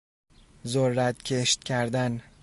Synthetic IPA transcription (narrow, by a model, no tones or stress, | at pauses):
zoɾːat̪kʲʰe̞ʃt̪̚kʲʰæɾd̪an